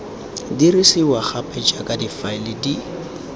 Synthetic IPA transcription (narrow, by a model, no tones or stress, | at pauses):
dirisiwaχapʼɛt͡ʃʼakʼadifaɪlɪdi